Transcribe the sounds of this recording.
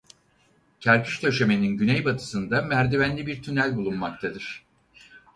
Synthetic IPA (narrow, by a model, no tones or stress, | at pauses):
cʰæɾkʰɯ̥ʃt̪ʰø̞ʃe̞me̞ninɟynɛjbat̪ʰɯ̥sɯnd̪amæɾd̪ivænlʲibiɾt̪ʰynælʲbulˠunmakt̪ʰad̪ɯɾ̥